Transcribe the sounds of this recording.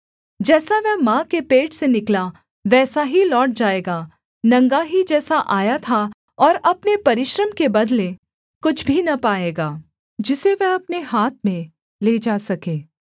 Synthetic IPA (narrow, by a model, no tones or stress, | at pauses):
d͡ʒɛːsaʋɛɦmãkepeːʈsenɪkla | ʋɛːsaɦilɔːʈ̚d͡ʒaːeːɡaː | nɐ̃ŋɡaɦid͡ʒɛːsaʔaːjat̪ʰa | ɔːɾɐpnepɐɾɪʃɾəmkebɐd̪le | kʊt͡ʃʰbʱinɐpaːeːɡaː | d͡ʒɪseʋɛɦɐpneɦaːt̪̚ʰmẽ | leːd͡ʒaːsɐkẽː